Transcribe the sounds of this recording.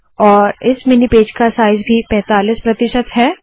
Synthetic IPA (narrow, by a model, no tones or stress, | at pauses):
ɔːɾɪsmɪnipeːd͡ʒkasaːɪzbʱipɛ̃ːt̪aːliːspɾɐt̪ɪʃət̪ɦɛː